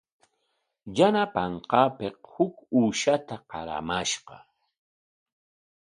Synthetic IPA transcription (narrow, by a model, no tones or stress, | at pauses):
janapɑɴqɑːpeqhʊkuːʃat̪aqɑ̰ɾa̰maʃqɑ